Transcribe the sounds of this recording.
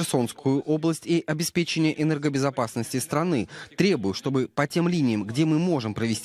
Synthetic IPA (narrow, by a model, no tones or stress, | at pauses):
rso̞nskʰʊjʊʔo̞blˠəsʲtʲiʔɐbʲɪspʲet͡ɕɪnʲɪjəʔɛnɛrɡəbʲɪzɐpasnəsʲtʲɪst̪ɾɐnɨt̪ɾʲe̞bʊjʊʂt̪o̞bɨpɐtʲe̞mlʲinʲɪjəmɡdʲemɨmo̞ʐɨmpɾəvʲɪsʲtʲ